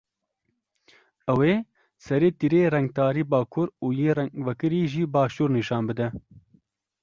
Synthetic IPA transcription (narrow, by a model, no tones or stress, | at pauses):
ɛweː | sɛɾeːt̪iɾeːrɛŋɡ̚t̪aːɾiːbaːkʰʊɾuːjeːɾɛvɛkɨɾiːʒiːbɑːʃuːɾniʃɑːnbɨd̪ɛ